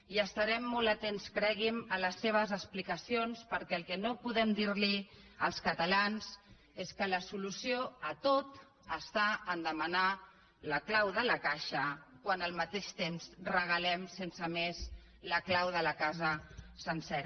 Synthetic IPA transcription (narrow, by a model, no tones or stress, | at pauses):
iəst̪aɾɛmːolət̪enskɾɛɣimələsːeβ̞əzəsplikəsionspəɾkɛəlˠkɛnopuðɛmd̪iɾliəlˠskət̪əlanz | eskələsulusioət̪ot̪ | əst̪aənd̪əməna | ləklawðələkaʃəkwanəlˠmət̪eʃt̪emzrəɣ̞əlɛmsensəmez | ləklawðələkazəsənsɛɾ